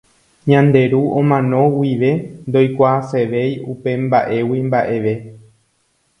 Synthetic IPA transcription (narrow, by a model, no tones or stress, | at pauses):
ɲãnd̪e̞ɾuʔõmãnõ̞wiʋe̞nd̪o̞jkʷaːse̞ʋe̞jupe̞mbaʔe̞wimbaʔe̞ʋe̞